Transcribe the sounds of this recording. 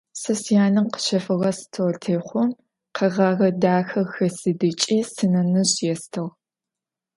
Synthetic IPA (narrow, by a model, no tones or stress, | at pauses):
sɐsjaːnɨmqə̥ʃɐfɨʁɐstʰowrtʰeːχʷɔm | qɐʁɑːʁɐdaːxɐxɐsɨdɨt͡ʃʼiːsɨnɐnɨʑjɛstʰɐʁ